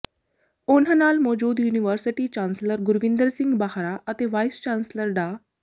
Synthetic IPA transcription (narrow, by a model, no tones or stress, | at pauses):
onɦanaːlmoːd͡ʒuːd̪juːniʋəɾsiʈiːt͡ɕãːnsləɾɡʊɾʋĩnd̪əɾsĩŋɡbaɦɾaʔət̪eʋajst͡ʃãːnsləɾɖa